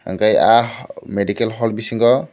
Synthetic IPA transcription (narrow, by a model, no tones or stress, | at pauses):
ha̰ŋkajameɖikelɦɔlbisiŋɡɔ